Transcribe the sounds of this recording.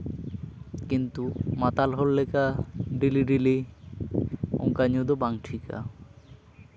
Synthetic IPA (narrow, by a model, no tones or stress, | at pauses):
kint̪umat̪alɦolːekaɖiliɖili | o̰ŋkaɲod̪obaŋʈʰika̰